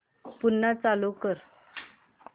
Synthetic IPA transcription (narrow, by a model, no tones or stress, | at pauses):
punːat͡salukəɾ